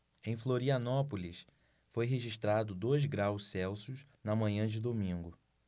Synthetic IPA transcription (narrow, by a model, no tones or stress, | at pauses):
ẽj̃floɾiɐnɔpolis | fojɦeʒiʃt̪ɾad̪ʊd̪ojzɡɾawssɛwsʊz | nɐmɐ̃ɲɐ̃d͡ʒɪd̪omĩŋɡʊ